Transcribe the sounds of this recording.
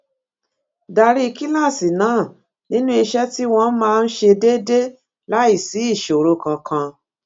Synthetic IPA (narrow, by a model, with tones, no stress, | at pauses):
da˧ɾi˦i˧ki˦la˦˨si˨nãː˨˦˨ | nĩ˦nũ˦i˧ʃɛ˦ti˦w̃ɔ̃˧n̩˦mãː˦˧n̩˦ʃe˧de˦de˦ | la˦i˦˨si˨˦i˦˨ʃo˨ɾo˧kã˧kʰã˧